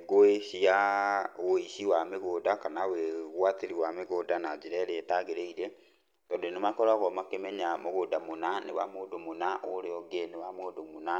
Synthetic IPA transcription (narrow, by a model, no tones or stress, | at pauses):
ɡoeʃiaɣoisiwameɣodakanaweɣwateɾiwameɣodanad͡ʒiɾɛɾeːtaɣeɾeiɾe | tɔdenemakɔɾaɣɔmakemɛɲamoɣodamonanḛwa̰moːdomonaoɾeɔɡenewamoːdomona